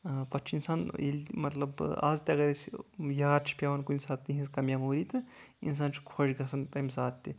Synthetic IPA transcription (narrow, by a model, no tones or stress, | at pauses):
pɐt͡ʃʰinsaːnelʲmɐt̪lɐba̰ːzt̪ʲɐɡɐɾesjaːɾt͡ʃʰi̥pʲaːʋɐnkunʲsaːt̪ːiɦĩskɐmʲjaːmoːɾiːt̪ɨḭns̬aːnt͡ʃʰi̥kʰoʃɡɐsɐnt̪ɐmʲsaːt̪ʲːi